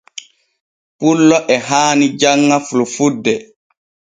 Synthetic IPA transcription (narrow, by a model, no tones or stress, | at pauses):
pulːɔʔɛɦaːnid͡ʒaŋːafulufudːɛ